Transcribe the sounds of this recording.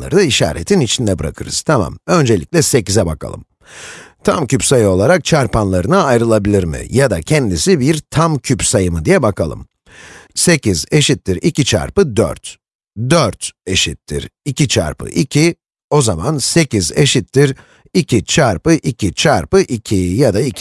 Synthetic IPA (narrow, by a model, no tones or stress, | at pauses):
a̰ɾɯd̪aiʃa̰ːɾḛt̪ʰinit͡ʃʰind̪ɛbɯɾa̰kʰɯɾɯ̰z̥t̪ʰama̰mø̞nd͡ʒe̞lʲḭcʲlʲɛse̞cizɛbakʰa̰lˠɯ̰m | t̪ʰa̰mcypsajɯo̞lˠaɾak̚t͡ʃʰaɾpanlˠaɾɯnaajɾɯlˠabilʲiɾmḭjad̪acʰɛnd̪isibiɾt̪ʰamcʰypsajɯmɯd̪ijɛbakʰalˠɯ̰m | se̞cize̞ʃit̪ːiɾicit͡ʃʰa̰ɾpɯd̪ø̰ɾt̪ | d̪øɾt̪e̞ʃit̪ʰːḭɾicʰit͡ʃʰa̰ɾpʰɯ̰ʔicʰi | o̞zamanse̞cize̞̰ʃit̪ʰːiɾ | icʰit͡ʃʰaɾpɯʔicʰit͡ʃʰaɾpɯʔicʰijad̪ai